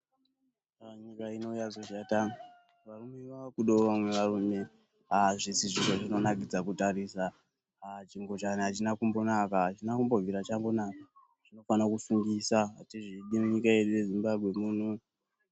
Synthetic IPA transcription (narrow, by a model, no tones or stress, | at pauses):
aɲikaino̞ujazoʃata | ʋarume̞ʋaakuɗoʋamwe̞ʋarume̞ | aʐisiʐiro̞ʐino̞naɡid͡zakutarisa | t͡ʃiŋɡo̞t͡ʃaniɦat͡ʃinakumbo̞nakaːt͡ʃinakumbo̞viɾat͡ʃambo̞naka | ʐino̞fanakusuŋɡisatiʐiɗimuɲikae̞ɗuje̞zimbabʱwe̞muːn̤u